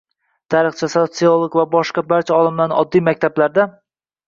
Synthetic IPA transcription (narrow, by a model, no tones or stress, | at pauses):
t̪ʰaɾɨχt͡ʃʰasot̪siolˠoɡvabɒʃqɑbaɾt͡ʃʰaɒlˠɪmlanɒd̪ːijmak̚ʲt̪ʰablaɾd̪a